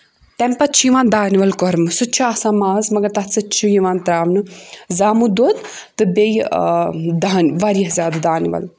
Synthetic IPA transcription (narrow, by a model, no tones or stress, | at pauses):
t̪ɐmpɐt͡ʃʰjiʋãːnd̪aːnʋɐlkɔɾmɨsɨt͡ʃʰuaːsaːmaːzmɐɡɐɾt̪ɐɦt͡sɨt͡ʃʰujiʋaːnt̪ɾaːʋnɨzaːmud̪oːt̪t̪ːɨbej | d̪aɦnʋaɾjɐɦzʲjaːd̪ad̪aːnʋɐ̰l